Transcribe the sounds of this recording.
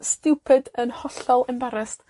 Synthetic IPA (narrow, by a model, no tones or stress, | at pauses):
stɪwpʰɨdənhɔɬɔlˠɛmbaɾɛst